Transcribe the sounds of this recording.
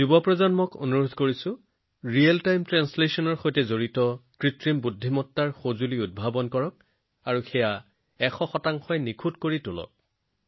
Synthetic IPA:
zubɔpɹɔzanmɔko̰nuɹodʱkoɹisʊ̃ | ɹialtajmtɹanslesɔnɔɹxojtɛzoɹitɔkɹitɹimbudʱːimɔtːaɹxozuliʊd̚bʱabɔnkɔɹɔk̚ | aɹuxɛja | ɛxɔxɔtaŋxʰɔjnikʰutkoɹitʊlɔ̰k̚

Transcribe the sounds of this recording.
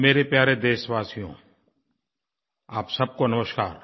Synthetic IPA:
meːɾepjaːɾed̪eːʃʋaːsijõ̰ | aːpsɐb̚konɐməʃkaːɾ

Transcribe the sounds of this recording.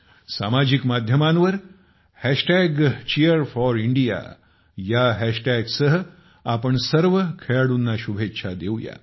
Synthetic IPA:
sa̰mad͡ʑikmad̪ʱjəmãnʋəɾ | hɛʃʈɛɡt͡ʃijəɾfɔɾiɳɖija̰ | jaɦɛʃʈɛɡsəɦ | apəɳsəɾʋəkʰeɭɽunːaɕubʱetːɕʰad̪ewja̰

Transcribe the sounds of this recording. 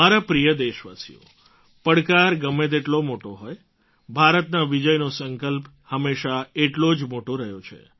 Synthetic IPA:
aɾapɾijəd̪eʃʋasḭjo̰ | pəɽkaɾɡəmːet̪eʈlomoʈoɦoj | bʱaɾət̪naʋid͡ʒəjnosəŋkəlp | həmːeʃaeʈlod͡ʒmoʈoɾəɦjot͡ʃʰḛ

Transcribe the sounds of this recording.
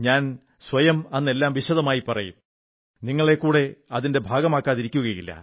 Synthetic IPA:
ɲaːn | sʋɐjɐmɐnːe̞lːaːmʋiɕɐðɐmaːjipɐrɐjṵm | niŋːɐɭe̞kːuːɽe̞ɐðinde̞bʱaːɡɐmaːkːaːðiɾikʲːuɣɐjilːɐ̰

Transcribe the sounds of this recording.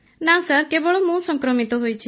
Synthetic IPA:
nãsəɾkebɔɭomũsɔŋkɾɔmit̪oɦojt͡ʃʰi

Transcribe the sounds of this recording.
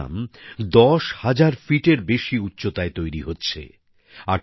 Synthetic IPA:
a̰md̪ɔʃhad͡ʑaɾfiʈeɾbeʃiutːɕot̪aet̪ojɾiɦotːɕʰḛ | a

